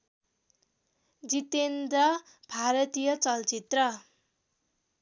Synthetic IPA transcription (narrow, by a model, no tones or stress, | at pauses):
d͡zit̪end̪ʌ | bʱaɾʌt̪ijʌt͡sʌlt͡sit̪rʌ